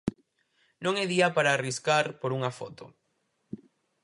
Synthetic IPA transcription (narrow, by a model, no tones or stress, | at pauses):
nõŋeðiɐpaɾaːriskaɾpoɾuŋafot̪o